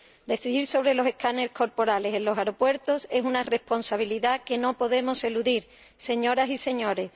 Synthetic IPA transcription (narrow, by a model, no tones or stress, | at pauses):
d̪e̞θiðiɾso̞β̞ɾe̞lo̞se̞hkaneko̞ɾpo̞ɾale̞se̞nlo̞ɦaɾo̞pwe̞ɾt̪o̞se̞sunare̞hpo̞nsaβ̞iliðake̞no̞po̞ðe̞mo̞se̞luðiɾ | se̞ɲo̞ɾasise̞ɲo̞ɾe̞